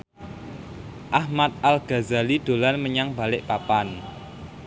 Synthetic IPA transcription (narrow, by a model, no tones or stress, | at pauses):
ʔahmat̪̚ʔalɡ̥a̤zalid̪̥o̤lanməɲaŋb̥a̤lɪʔpapan